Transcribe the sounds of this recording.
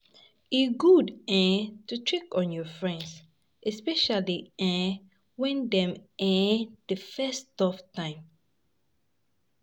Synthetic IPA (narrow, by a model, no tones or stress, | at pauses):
iɡudɛ̃tutʰɹikɔ̃njɔfɹɛ̃nds | ʔɛspɛʃaliɛ̃ | wɛ̃ndɛ̃mɛ̃d̥əfɛstɔftãɪ̃m